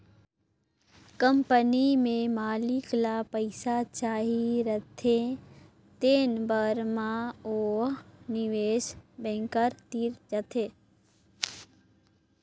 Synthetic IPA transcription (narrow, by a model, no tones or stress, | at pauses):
kə̃mpənimẽmaːliklapəɪsat͡ʃaːɦiɾət̪ʰẽ | t̪eːnbəɾmãonɪʋeːʃbɛ̃ːŋkəɾt̪iːɾd͡ʒət̪ʰeː